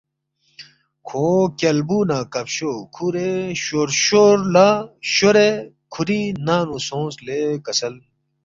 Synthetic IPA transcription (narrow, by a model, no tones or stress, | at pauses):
kʰoːkɐlbuːnaːkɐpɕokʰuɾeɕoɾɕoːɾlaːɕoɾe | kʰuɾinaːnusõːslekɐsɐl